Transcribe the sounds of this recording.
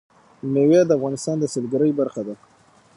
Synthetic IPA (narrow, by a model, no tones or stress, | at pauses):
mewjɑd̪əafɣɑnɪst̪ɑnd̪əsɪlɡaɾəjbaɾxad̪a